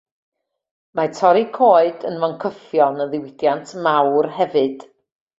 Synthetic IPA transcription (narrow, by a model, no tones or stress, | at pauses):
matʰɔɾikʰoːɨdənvɔnkʰəfjɔnəðɪwɪd̥jantʰmawrɦɛvɨd̥